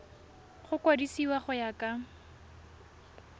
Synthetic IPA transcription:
χʊkwadisiwaχʊjaka

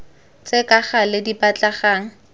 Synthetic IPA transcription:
t͡sʼɪkʼaχalɪdipat͡ɬaχaːŋ̩

